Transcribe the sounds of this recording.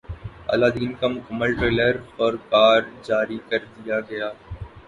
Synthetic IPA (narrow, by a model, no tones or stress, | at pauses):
a̰ːlaːd̪iːnkamʊkəmːəlʈɾeːləɾɔɾkaːɾd͡ʒaːɾikɐɾd̪ijaɡɐjaː